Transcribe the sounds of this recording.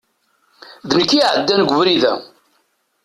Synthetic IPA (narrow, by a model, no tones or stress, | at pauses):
ðnəkːiʕəd̪ːænɡʷʊvɾiðæ̰